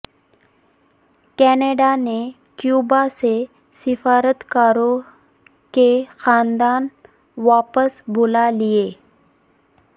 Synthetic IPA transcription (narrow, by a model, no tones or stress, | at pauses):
kɛːneːɖane | kjuːbase | sɪfaːɾət̪kaːɾõ | kexaːnd̪aːn | ʋaːpəsbʱʊlalieː